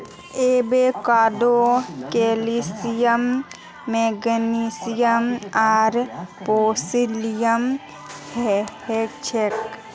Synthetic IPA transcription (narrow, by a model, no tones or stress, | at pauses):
ebekaːd̪okelisijəmː | eɡnisijəmaːɾpoːsilijəm | hhet͡ʃʰek